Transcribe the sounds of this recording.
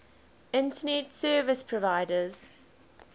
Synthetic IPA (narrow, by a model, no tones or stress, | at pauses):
ɪ̃ntənetsɜːvɪspʰɹɔvaɪdəz̥